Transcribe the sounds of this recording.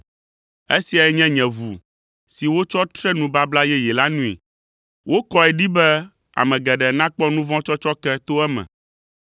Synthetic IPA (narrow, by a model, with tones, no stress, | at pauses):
e˦si˨a˨ɛ˨˦ɲɛ̃˦ɲɛ̃˨vu˨ | si˨wo˦t͡ʃɔ˦t̪ɾɛ˦nũ˨ba˦bla˦jɛ˦jɛ˨la˦nũ˦ḭ˨ | wʔo˦kɔ˦ɛ˨ɖi˦bɛ˦ | a̰˨mɛ̃˨ɡɛ˨ɖɛ˨nã˦k͡pɔ˦nũ˦vɔ̃˦t͡ʃɔ˦t͡ʃɔ˦kɛ˦t̪o˦ɛ˦mɛ̰̃˨